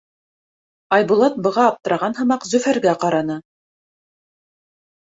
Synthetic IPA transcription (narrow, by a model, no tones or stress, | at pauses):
ɑjbulˠɑt̪̚bɤ̆ʁɑːp̚t̪ɤ̆ɾɑʁɑnɦɤ̆mɑqzɵ̆fæɾɡæqɑɾɑnɤ